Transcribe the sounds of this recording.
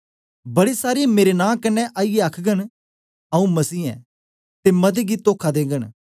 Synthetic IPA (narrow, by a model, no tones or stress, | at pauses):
bɐɽisaːɾimeːɾenãːkɐnːɛʔaːijeaːkʰɡən | ɐũmɐsiːɛ̰ː | t̪emɐd̪eɡit̪oːkʰad̪ẽːɡəñ